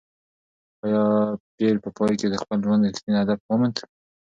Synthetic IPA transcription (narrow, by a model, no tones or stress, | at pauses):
ɑjɑpelpəpɑjked̪əxpəlʒwand̪ɪt̪minad̪af̚wamant̪ə